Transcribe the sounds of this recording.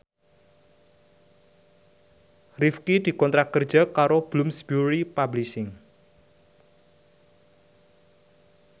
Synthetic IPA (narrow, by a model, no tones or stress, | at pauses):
rifkid̪̥i̤kɔnt̪ɾakərd̥d͡ʒ̥akaɾob̥lʊmsbjuɾipabliʃɪŋ